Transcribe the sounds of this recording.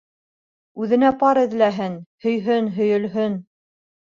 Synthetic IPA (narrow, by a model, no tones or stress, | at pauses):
ʉðɘ̆næpɑɾɘ̆ðlæɦɘnhɵ̆jɦɵnɦɵ̆jɵ̆lɦɵn